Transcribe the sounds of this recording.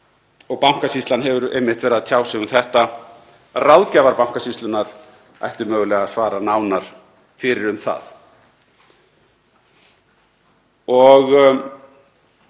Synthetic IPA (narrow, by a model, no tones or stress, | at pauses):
ɔɣpawm̥kasist̪lanɦɛvʏɾḛjmːɪht̪vɛːɾaðt̪ʰjaːwsɛɣʏmθɛht̪a | rawðcavaɾpaw̥kasist̪lʏnaɾ̥ | a̰jht̪ʏmœːɣʏlɛːɣaðsvaːɾanaːwnaɾ̥ | fɪɾɪɾʏmθa̰ð | ɔɣ